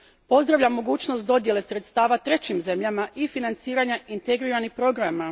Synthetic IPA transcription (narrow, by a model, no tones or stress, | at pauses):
po̞zd̪ɾaʋʎamːo̞ɡuːt͡ɕno̞st̪̚d̪o̞d̪je̞le̞sɾe̞t̪st̪aːʋat̪ɾe̞t͡ɕimze̞mʎamaʔifinant̪siːɾaɲaint̪eɡɾiːɾanixpɾo̞ɡɾama